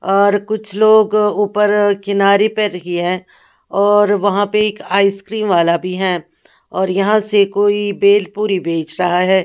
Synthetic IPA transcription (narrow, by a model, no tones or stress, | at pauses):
ɔːɾkʊt͡ʃʰloːɡuːpəɾkɪnaːɾepɐɾɐɦiɦɛ̃ː | ɔːɾʋɐɦãpeɪkaːiskɾiːnʋaːlabʱiɦɛː | ɔːɾjɐɦãsekoːibeːlpuːɾibʱeːt͡ʃɾɐɦaɦɛː